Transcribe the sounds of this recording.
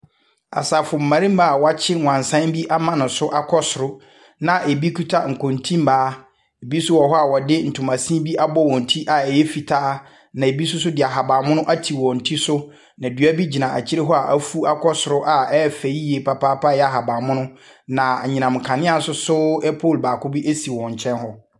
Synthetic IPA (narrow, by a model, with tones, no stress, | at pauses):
a̰˨sa˨fʊ˨m̩˨mã˨ɾĩ˦m̩˦ba˦˨wa˦t͡ɕʰɪ˦ŋʷ˨ã˨n˨sã˦n˦bi˦ʔa˦mã˦nʊ̃˨sʊ˦ʔa˦kʰɔ˦sʊ˨ɾʊ˦ | nã˨ʔe˨bi˦kʰu˦tʰa˦ŋ̩˨kʰɔ̃˨n˨tʰĩ˦m̩˦baː˨˦ | e˨bi˦sʊ˦wɔ˨ɦɔ˦a˨wɔ˨dɪ˦n̩˨tʰʊ˨mã˨sĩ˦bi˦ʔa˦bɔ˦wɔ̃˨n̩˨tʰi˦ʔa˨ɛ˨jɛ˦fi˨tʰaː˦ | nã˨e˨bi˦sʊ˦sʊ˦dɪ˨a˨ɦa˨ba˨mʊ̃˦nʊ̃˦ʔa˦tʰi˨wɔ̃˨n̩˨tʰi˦sʊ˦ | nã˨dɥa˦bi˦d͡ʑi˨nã˨ʔa˨t͡ɕʰɪ˦ɾɪ˦ɦɔ˦a˨ʔa˦fu˦a˦kʰɔ˦sʊ˨ɾʊ˦ʔa˨ɛ˦fe˨i˦je˨pʰa˨paː˦pʰa˦˨jɛ˦a˨ɦa˨baː˨mʊ̃˦nʊ̃˦ | nã˨a˨ɲĩ˨nã˨m˨kʰã˨nɪ̃˦a˨sʊ˦sʊ˦ɛ˦pʰo˦˨lbaː˨kʰʊ˦bi˦ʔe˦si˨wɔ̃˨ɲ̩˨t͡ɕʰɛ̃˦nhɔ˦